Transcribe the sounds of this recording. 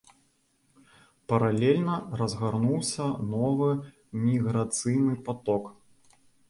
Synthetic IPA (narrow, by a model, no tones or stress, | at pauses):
pɐɾalʲɛlʲnɐrɐzɣarnuwsʲɐnɔvɨ | mʲiɣɾat̪sɨjnɨpat̪ɔk